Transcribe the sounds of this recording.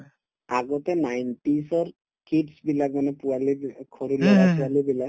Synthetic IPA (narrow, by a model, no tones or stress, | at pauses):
aɡɔtɛnajntisɔɹ | kidsbilak̚manɛpualikʰoɹulɔɡapualibilak̚